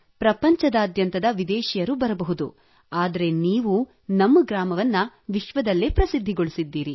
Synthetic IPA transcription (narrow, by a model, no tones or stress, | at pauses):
pɾɐpɐɲt͡ʃɐd̪aːd̪jɐnt̪ɐd̪ɐʋid̪ɛːʃijɐɾubɐɾɐbɐɦud̪u | aːd̪ɐɾe̞niːʋu | nɐmːɐɡɾaːmɐʋɐnːɐ | ʋiʃʋɐd̪ɐlːepɾɐsid̪ʱːiɡoɭisid̪ːiːɾi